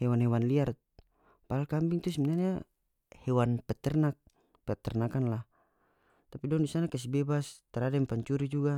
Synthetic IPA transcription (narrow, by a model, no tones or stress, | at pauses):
hɛwanɦɛwanliar | paalkambiŋt̪us̬iminarɲa | hɛwanpɛt̪ɛrnak̚ | pɛt̪ɛrnakanlah | t̪apidɔndisanakas̬ibɛbast̪aɾadɛmpaɲt͡ʃuɾid͡ʒuɡa